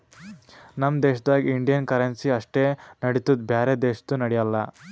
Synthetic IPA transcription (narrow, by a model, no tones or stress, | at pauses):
nɐmd̪eːʃɐd̪aːɡiiɳɖijɐnkɐɾensiɐʂʈeːnɐɽit̪ud̪bʱjaːɾed̪eːʃɐ̥t̪ːunɐɽɛjɐlːɐ